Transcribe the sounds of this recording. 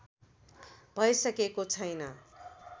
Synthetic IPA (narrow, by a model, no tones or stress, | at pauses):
bʱʌjsʌkekot͡sʰʌjnʌ